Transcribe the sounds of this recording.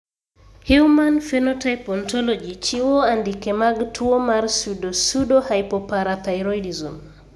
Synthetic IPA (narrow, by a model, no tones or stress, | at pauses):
huwmanfɛnɔtajpɔntɔlɔd͡ʒit͡ʃiwɔandikɛmaɡtʰuɔmaɾsudɔsudɔhajpɔpaɾat̪ajɾɔjdizum